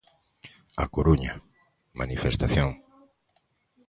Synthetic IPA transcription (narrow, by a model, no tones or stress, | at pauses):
a̰koɾuɲa | manifest̪aθjoŋ